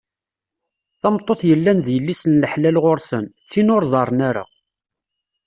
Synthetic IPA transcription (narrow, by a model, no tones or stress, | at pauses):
θɑmt̪ˤːoθjəlːænðjəlːisənləħlælʁoɾsənt͡sːinʊɾzˤɑɾˤnaɾa̰